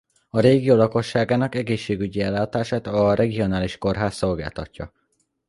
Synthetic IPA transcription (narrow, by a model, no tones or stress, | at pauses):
ɒɾeːɡioːlɒko̞ʃːaːɡaːnɒkɛɡeːʃːeːɡyɟiɛlːaːt̪aːʃaːt̪ɒrʔɛɡio̞naːliʃko̞rɦaːsːo̞lɡa̰ːlt̪ɒcːɒ̰